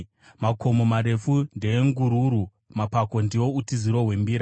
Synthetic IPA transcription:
makʰo̞momaɾe̞fundeːŋɡuɾuɾu | mapako̞ndiwo̞utiziɾo̞ɦwe̞mbiːɾa

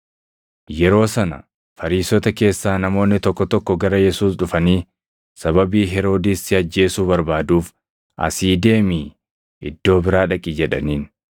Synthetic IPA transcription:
jɛɾo̞ːsɐnɐ̰ | fɐɾiːsɔt̪ɐke̞ːsːaːnɐmo̞ːnːɪt̪ɔkːɔt̪ɔkːɔɡɐɾɐjɛsuːsᶑʊfɐniː | sɐβɐbiːɦɛɾo̞ːd̪ɪsɪɐd͡ʒːe̞ːsuːbɐɾbaːd̪uːf | ʔɐ̰siːd̪e̞ːmiː | ɪ̰d̪ːo̞ːbɪɾaːᶑɐkʼid͡ʒɛᶑɐ̰niːn

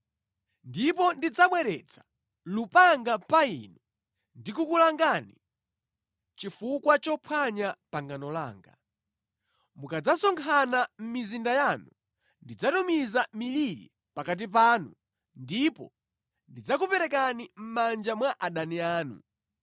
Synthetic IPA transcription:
ndipɔndid͡zamwɛɾɛ̰t͡sʰḁ | lupaŋɡapainu | ndikukulaŋɡani | t͡ʃifukwat͡ʃɔpʰwaɲapaŋɡanɔla̰ːŋɡa̰ | mukad͡zasɔŋkʰanam̩mizindajaːnu | ndid͡zatumizamiliɾḭ | pakat̬ip̬aːnṵ | ndipɔ̰ | ndid͡zakupɛɾɛkanim̩mand͡ʒamwaʔaɗaniaːnṵ

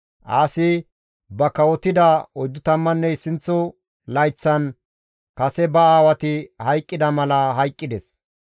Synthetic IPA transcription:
ʔaːsɪ | bɐkɐwɔt̪ɪd̪ɐɔjd̪ʊt̪ɐmːɐnːɛɪsɪnt͡sːɔ | lɐjt͡sːɐn | kɐsɛbɐaːwɐt̪ɪhɐjkʼːɪd̪ɐmɐlɐɦɐjkʼːɪd̪ɛs

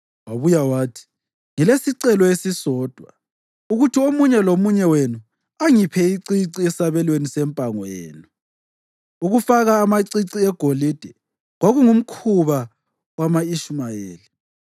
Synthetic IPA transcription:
waβujawaːtʰi̥ | ŋilesiǀɛlɔesisɔːd̥ʱwa | uɣutʰiomuɲɛlomuɲɛwenu | aŋipʰɛiǀiǀiɛsaβɛlwenisɛmpʼaŋwjḛːnu | uɣufaɣaːmaǀiǀiɛɡ̥ʱolid̥ʱɛ | ɣwaɣuŋum̩kʰuβa | wamaiʃmajeːli

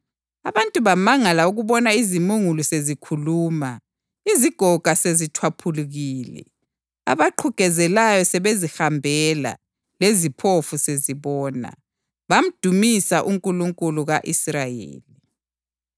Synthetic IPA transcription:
aβantʼuβamaŋalauɣuβɔnaizimuŋulusezikʰuluːma | iziɡ̥ʱɔɡ̥ʱasezitʰwapʰuluɣiːlɛ̰ | a̰βaǃʰuɡ̥ʱɛzɛlajɔsɛβezixambʱɛla̰ | lezipʰofuseziβɔːna̰ | βam̩d̥ʱumisaʔuŋkʼuluŋkʼuluɣaʔisrajḛːli

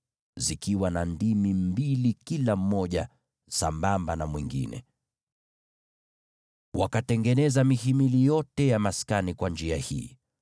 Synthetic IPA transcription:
zikiwanandimim̩bilikilam̩mɔʄa | sambambanamwiŋɡḭnɛ̰ | wakatɛŋɡɛnɛzamihimilijɔtɛjamaskanikwand͡ʒiahḭː

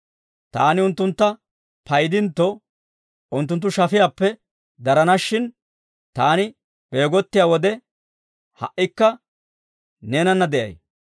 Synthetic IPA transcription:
t̪aːnɪʊnt̪ːʊnt̪ːɐ | pɐjd̪ɪnt̪ːɔ | ʊnt̪ːʊnt̪ːʊʃɐfɪjaːpːɛ | d̪ɐɾɐnɐʃːɪn | t̪aːnɪ | b̥eːɡɔt̪ːɪjaːwɔd̪ɛ | hɐ̰ʔːɪkːɐ | neːnɐnːɐd̪ɛʔɐ̰j

